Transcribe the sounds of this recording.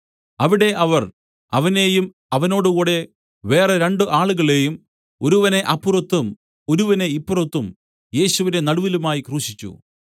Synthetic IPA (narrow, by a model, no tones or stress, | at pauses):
ɐʋiɽe̞ʔɐʋɐr | ɐʋɐne̞ːjum | ɐʋɐno̞ːɽukuːɽe̞ | ʋe̞ːreɾe̞ɳɖɨʔaːɭuɣɐɭe̞ːjum | oɾuʋɐne̞ʔɐpːurɐt̪ːum | o̞ɾuʋɐne̞ipːurot̪ːum | je̞ːɕuʋine̞nɐɽuʋilumaːjikruːɕit͡ɕːṵ